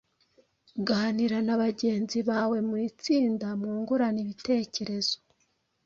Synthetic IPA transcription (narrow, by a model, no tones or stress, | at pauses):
ɡaniɾanaβaɟe̞ːnziβaːwe̞muɾit͡siːndamuːŋɡuɾaniβite̞ːce̞ɾe̞zo̥